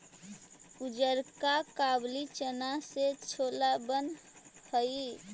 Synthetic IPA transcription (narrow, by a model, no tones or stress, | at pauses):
ud͡ʒəɾkakablit͡ʃənaset͡ʃʰolabənhəi